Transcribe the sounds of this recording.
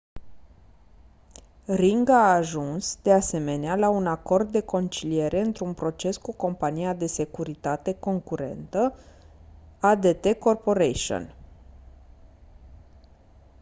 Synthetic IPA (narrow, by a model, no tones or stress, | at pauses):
riŋɡaːʒunsd̪e̞ase̞me̞nealaunako̞rd̪ːe̞ko̞nt͡ʃilije̞ɾʔe̞ɨnt̪ɾunpɾo̞t͡ʃe̞skuko̞mpanijad̪e̞se̞kuɾit̪at̪e̞ko̞ŋkuɾe̞̰nt̪ə | ad̪e̞t̪e̞ko̞rpo̞ɾeʃo̰n